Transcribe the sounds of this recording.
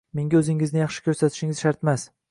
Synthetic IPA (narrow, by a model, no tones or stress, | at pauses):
meŋɡʲaɵzɪŋɪznɪjɑχʃɪ̥kʲʰɵɾsat̪ʰɪ̥ʃɪŋɪz̥ʃaɾt̪mas